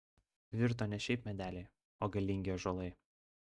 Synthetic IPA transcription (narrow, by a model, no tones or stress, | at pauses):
ʋʲɪɾt̪oːnʲɛʃʲɛɪpmʲɛd̪ʲæːlʲɛɪ | oːɡɐlʲɪŋʲɡʲoːʒoːlˠɐɪ